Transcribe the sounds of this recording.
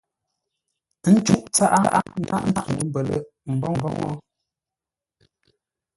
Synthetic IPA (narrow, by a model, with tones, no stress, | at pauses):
tə˨˦n̩˦t͡ʃu˦ʔt͡sa˦ʔa˦ʔa˦n̩˦a̰˦ʔn̩˦da˦ʔŋ̩˨ə˨˦m˦bə˨lə̰˨ | m̩˨bɔ˦ŋm˨bɔ˦ŋɔ̰˦